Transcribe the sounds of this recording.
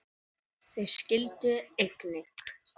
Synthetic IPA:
θɛ̥scɪlt̪ʏejknɪk

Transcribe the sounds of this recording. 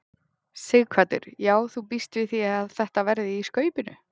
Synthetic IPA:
sɪɣkʰvaːt̪ɪ̰ɾ̥jaːwθupist̪vɪθiaðθɛht̪avɛɾðɪiskœːɥpɪnʏ̰

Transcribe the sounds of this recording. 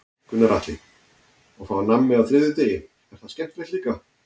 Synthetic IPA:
kʏnaɾaːt̪lɪ | ɔɣfaanamːɪawθɾɪːðʏt̪eːjɪ | ɛɾ̥θaðscɛm̥t̪lɛht̪liːka

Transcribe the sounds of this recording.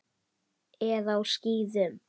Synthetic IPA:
ɛðawsciːðɪð

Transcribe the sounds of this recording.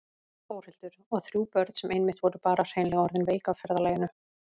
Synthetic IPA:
foːwr̥ɪl̥t̪ʏɾ̥ɔɣθɾjuːpœɾðsɛmʔejnmɪht̪vɔɾʏpaːɾar̥ejnlɛɣaɔɾðɪnveːjkaawfɛɾðalaːjɪnʏ

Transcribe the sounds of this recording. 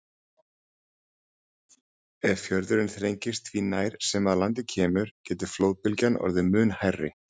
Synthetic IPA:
ɛðfjœɾðʏɾɪnθɾejɲcɪst̪vinaːjɾ̥sɛmaðlant̪̬ɪcʰɛːmʏɾ̥cɛːt̪ʏ̥floːwðpɪlcanɔ̰ɾðɪmʏːnhajrːɪ

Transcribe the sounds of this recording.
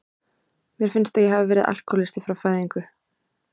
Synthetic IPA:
mjɛɾ̥fɪnst̪ajɛɦavɪvɛːɾɪða̰l̥kʰɔɾlɪst̪ɪfɾawfaːjðiŋkʏ

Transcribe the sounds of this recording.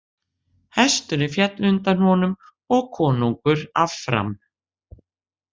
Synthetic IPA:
hɛst̪ʏnɪfjɛt̪lʏnt̪anhɔnʏm | ɔɣkʰɔːnuŋkʏɾa̰vfɾa̰m

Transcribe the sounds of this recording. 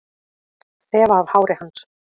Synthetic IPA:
θɛːvaːv̥haːwɾɪhanːs

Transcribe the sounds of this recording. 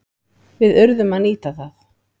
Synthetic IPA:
vɪðœɾðʏmaniːt̪aθaθ

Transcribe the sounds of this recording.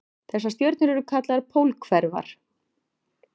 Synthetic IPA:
θɛsːast̪jœɥɾt̪nʏɾɛɾʏkʰat̪laðpʰowlkʰvɛɾva̰ɾ̥

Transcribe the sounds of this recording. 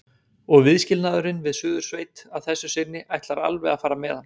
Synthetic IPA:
ɔɣvɪðscɪlnaːðʏɾɪnvɪðsʏːðʏɾ̥sveːjt̪aðθɛsːʏsɪnːɪʔajht̪laɾa̰lvɛɣafaːɾamɛːðan

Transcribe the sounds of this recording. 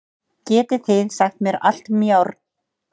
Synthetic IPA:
cɛːt̪ɪθɪðsaxt̪mjɛɾa̰l̥t̪mjawɾ

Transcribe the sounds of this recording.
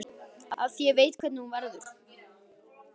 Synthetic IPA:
aa̰ðθjɛvejt̪kʰvɛt̪nuːnvɛɾðʏɾ̥

